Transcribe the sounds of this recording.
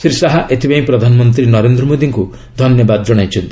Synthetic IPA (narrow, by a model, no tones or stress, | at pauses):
sɾisaɦaʔet̪ʰipaĩpɾɔd̪ʱanɔmɔnt̪̬ɾinɔɾend̪ɾɔmod̪iŋku | d̪ʱɔnjɔbad̪ɔd͡ʒɔɽ̃ajt͡ʃʰɔnt̪i̥